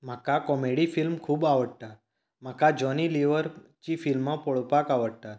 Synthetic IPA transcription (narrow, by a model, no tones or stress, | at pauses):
m̤akakɔmeɽifilmkʰuːbaʋəɽt̪a | makad͡ʒɔniliʋəɾt͡ʃifilmːãpɔɭpakaʋəɽt̪a